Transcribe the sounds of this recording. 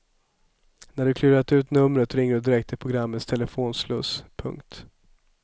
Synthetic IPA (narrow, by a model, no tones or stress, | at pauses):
næɖɵkʰlʉ̟ːɾat̪ʉ̟ːt̪nɵmɾət̪ɾɪŋːəɖɵd̪ɪɾɛk̚t̪ʰɪpʰɾʊɡɾamːət̪st̪ʰɛləfoːnslɵspʰɵ̰ŋkt̪